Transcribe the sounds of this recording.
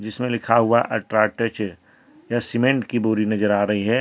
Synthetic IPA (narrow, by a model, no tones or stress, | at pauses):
d͡ʒɪsmẽlɪkʰaɦuaʔɐʈɾaːʈət͡ʃ | jasɪmẽɳʈkibuːɾinɐzəɾaːɾɐɦiɦɛː